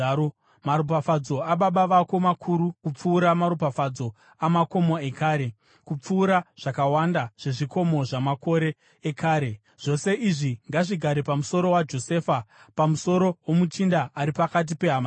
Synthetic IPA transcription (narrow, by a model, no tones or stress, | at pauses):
maɾupafad͡zo̞aɓaɓaʋako̞makʰuɾukup͡fuːɾamaɾupafad͡zo̞ | amako̞moe̞kaːɾe̞ | kup͡fuːɾaʐ̥akawandaʐ̥e̞ʐiko̞mo̞ʐamako̞ɾe̞ː | kaːɾe | ʐ̥o̞se̞ʔiʐiŋɡaʐiɡʱaɾepamuso̞ɾo̞wad͡ʒo̞sefa | pamuso̞ɾowomut͡ʃindaʔaɾipakat̬ipe̞ɦama